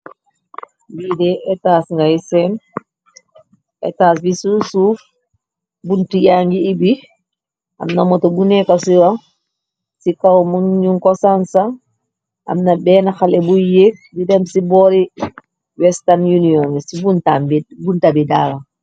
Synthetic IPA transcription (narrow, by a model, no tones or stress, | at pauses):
bidɛɛtasŋɡajsɛn | ʔɛtas̬bisusuf | buntijaŋɡiːbi | ʔa̰mnamɔtɔbunɛkasiwa | sikawmuŋɲuŋkɔsansa | ʔa̰mnabɛnaxalɛbujek̚didɛmsibɔɾi | wɛstanjuniɔŋisibuntabuntabidala